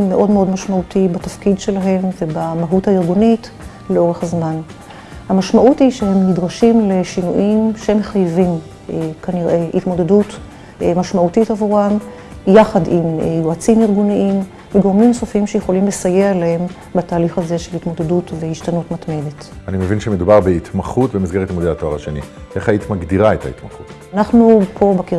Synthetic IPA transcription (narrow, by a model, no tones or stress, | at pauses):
eʔo̞dmeo̞dmaʃmautibatafkidʃe̞laɦe̞mve̞bamaɦuthaiʁɡunit | leo̞ʁeχhazman | hamaʃmaʔutiʃehemːidʁaʃimle̞ʃinuʔimʃehemeχajvim | kaniʁehitmo̞dedut | maʃmautitavuʁam | jaχadimjoat͡simiʁɡuniʔim | veɡoʁmimso̞fimʃejeχo̞limle̞saje̞alahe̞m | bataːliχhaze̞ʃelitmo̞d̪edutvehiʃtanutmatme̞det | animevinʃemed̪ubaʁbeit̪maχutbemisɡe̞ʁet̪imod̪eat̪oa̰ʁaʃenḭeχhaitmaɡd̪iʁaeta̰ḭt̪maχut | naχnupʰo̞baki